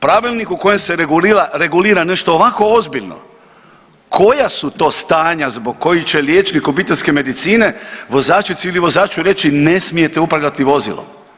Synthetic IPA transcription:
pɾaʋilˠnikuko̞jemse̞ɾeɡuliɾaɾe̞ɡuliːɾane̞ʃt̪o̞ːʋako̞ozbiʎno̞̰ | kʰo̞jasut̪o̞ːst̪aːɲazboɡ̚ko̞jit͡ɕe̞ljet͡ʃnikopit̪elʲske̞me̞d̪it̪siːne̞ʋo̞zaːt͡ʃit̪siiliʋo̞zaːt͡ʃuɾe̞t͡ʃine̞smije̞t̪e̞upɾalʲat̪iʋo̞zḭlˠo̰m

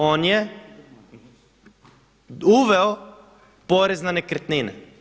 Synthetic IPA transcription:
oːnje | uʋeo | po̞ɾeznanekɾt̪ninḛ

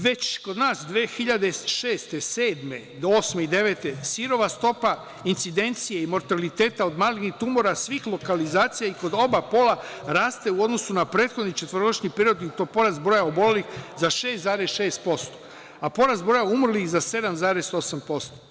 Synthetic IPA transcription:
ʋe̞t͡ɕko̞d̪naːsd̪ʋeːxiʎad̪e̞ʃe̞ːst̪e̞se̞ːd̪me̞ | d̪ooːsme̞id̪e̞ʋe̞ːt̪e̞siɾo̞ʋast̪o̞pa | int̪sid̪e̞nt̪sijeimo̞ɾt̪alit̪e̞ːt̪ao̞d̪maːlinixt̪umo̞ɾasʋiːxlˠo̞kalizaːt̪sijaiko̞d̪o̞bapo̞ːlˠaɾaːst̪e̞uo̞d̪no̞sunapɾeːt̪xod̪nit͡ʃe̞t̪ʋɾoɡoʃɲipeɾio̞d̪iut̪opo̞ɾazt̪bɾo̞ːjaobo̞le̞lixzaʃe̞st̪zaːɾesʃeːst̪̚po̞st̪o̥ | apo̞ɾazbɾo̞jaumr̩lixzase̞d̪amzaːɾeso̞sampo̞st̪o

